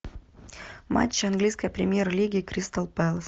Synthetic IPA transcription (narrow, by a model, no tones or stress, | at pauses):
ma̰t͡ɕːɪɐnɡlʲijskəjəpɾʲɪmʲjeɾəlʲiɡʲɪːkɾʲist̪əlˠpɛlˠs